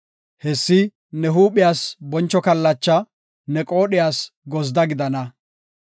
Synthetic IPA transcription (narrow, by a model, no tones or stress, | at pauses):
hɛsːɪ | nɛɦuːɓɪjaːsbɔnt͡ʃːɔkɐlːɐt͡ʃːɐ | nɛkʼo̞ːɗɪjaːsɡɔzd̪ɐɡɪd̪ɐnɐ